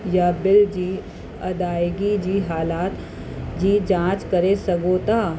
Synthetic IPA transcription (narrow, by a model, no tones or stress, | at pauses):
jabɪld͡ʒiː | ɐd̪aːeɡid͡ʒiːɦaːlaːt̪ | d͡ʒiːd͡ʒãːt͡ʃkɐɾesɐɡoːt̪aː